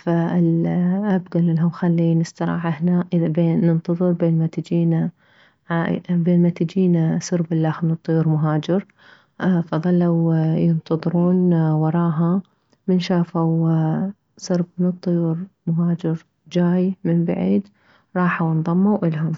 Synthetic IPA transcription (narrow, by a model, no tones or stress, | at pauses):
faɪlʔabɡalɪlɦʊmxalːinɪst̪ɑɾˤɑ̰ːʕahnaʔɪbeːɨnt̪ɑðˤɨɾbeːnmat̪ɪd͡ʒiːna | ʕabeːnmat̪ɪd͡ʒiːnasɨɾbɪlːaxmɪnɨt̪ˤːʊjuːɾmʊɦaːd͡ʒɪɾ | fɑðˤɑlːawjɪnt̪ʰɑðˤɨɾuːnwɑɾˤɑːɦa | mɪnʃaːfaw | sɨɾbmɪnɨt̪ˤːʊjuːɾmʊɦaːd͡ʒɪɾ | d͡ʒaːjmɪnbaʕiːd̪ | ɾˤɑːħawnðˤɑmːawʔɪlɦʊm